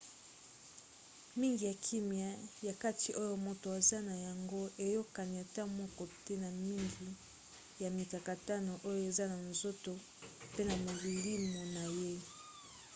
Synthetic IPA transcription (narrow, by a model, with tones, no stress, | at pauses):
mi˦ŋɡi˨ja˨kʰi˦mja˦ja˨ka˦ti˨ʔo˦jo˦mo˨to˨a˨za˦na˨ja˨ŋɡo˦ʔe˨jo˦ka˨ni˨a˨ta˦mɔ˦kɔ˨te˦na˨mi˦ŋɡi˨ | ja˨mi˨ka˨ka˨ta˦no˨ʔo˦jo˦˨e˨za˦na˨nzo˦to˨ | pe˦na˨mo˨li˨li˦mo˨na˨je˦